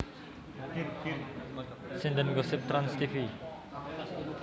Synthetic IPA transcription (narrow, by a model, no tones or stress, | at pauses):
sind̪ənɡɔsep̚t̪ɾanst̪ifi